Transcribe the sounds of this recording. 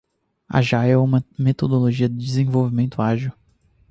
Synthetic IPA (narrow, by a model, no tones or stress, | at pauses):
a̰ʒajɛũmmet̪od̪oloʒiɐd̪ɪd͡ʒɪzẽvowvimẽnt̪ʊaʒiw